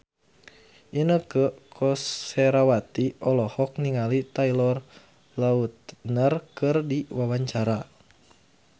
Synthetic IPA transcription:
ʔinəkəkʰɔsɛɾawat̪iʔɔlɔhɔk̚niŋalit̪ailɔr | laut̪̚nərkɨrdiwawaɲt͡ʃaɾa

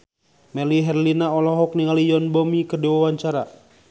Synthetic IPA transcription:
mɛliɦɛrlinaɔlɔɦɔk̚niŋalijɔnbɔmikərdiwawaɲt͡ʃaɾa

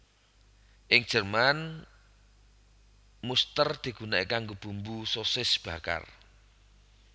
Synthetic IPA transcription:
ʔɪŋd̥ʒ̥ərman | must̪ərd̪̥i̤ɡ̥unaikaŋɡob̥umbusosɪsb̥ä̤ka̰r

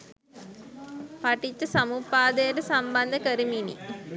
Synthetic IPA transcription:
pɐʈit͡ɕːɐsɐmupːaːd̪eːʈɐsɐmbɐnd̪ʱɐkɐɾiminḭ

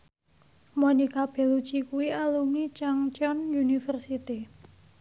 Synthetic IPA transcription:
monikab̥ɛ̤lut͡ʃikuwialuŋit͡ʃaŋt͡ʃɔnjunifərsit̪i

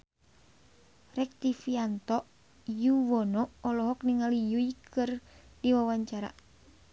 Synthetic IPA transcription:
rɛk̚t̪ifiant̪ɔʔ | juwɔnɔɔlɔɦɔk̚niŋalijuikʰɨrdiwawaɲt͡ʃaɾa̰

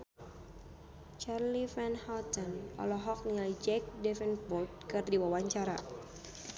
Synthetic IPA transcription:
t͡ʃarlifɛnhalt̪ɔnɔ̰lɔɦɔk̚nialid͡ʒɛk̚dɛfɛnpɔt̪̚kɨrdiwawaɲt͡ʃaɾa̰

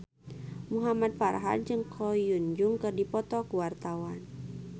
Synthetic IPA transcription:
muɦamad̪̚farɦa̰d̚d͡ʒɨŋkʰɔjund͡ʒuŋkɨrdipɔt̪ɔkuwart̪awan

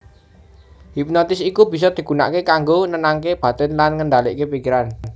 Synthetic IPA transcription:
ɦip̚nɔt̪ɪsikubi̤sɔd̪̥i̤ɡ̥ṳna̰ʔkekaŋɡonənaŋk̬eb̥a̤t̪ənlanŋənɖalḭʔkepikiɾan

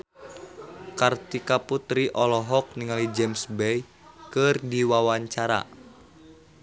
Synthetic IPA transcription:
kart̪ikaput̪ɾiʔɔlɔɦɔk̚niŋalid͡ʒɛmsbɛj | kərdiwawaɲt͡ʃaɾa̰

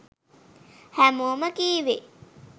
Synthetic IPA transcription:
hæmoːmɐkiːʋe

